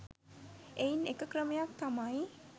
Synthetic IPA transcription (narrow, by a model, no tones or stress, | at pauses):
einekəkrəmejak̚t̪amaj